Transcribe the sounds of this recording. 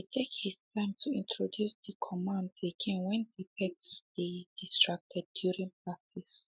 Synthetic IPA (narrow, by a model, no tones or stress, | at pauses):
hitʰekhistʰãɪ̃mtʰuĩntʰɹɔdjusðəkʰɔmãndlekʰĩŋwɛ̃nhipʰɛksðed̥istɹ̥ak̚tʰɛdjuɹĩŋpʰɹak̚tʰis